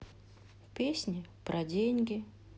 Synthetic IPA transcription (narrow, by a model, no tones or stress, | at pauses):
pʲesʲnʲɪpɾʔɐdʲenʲɡʲɪ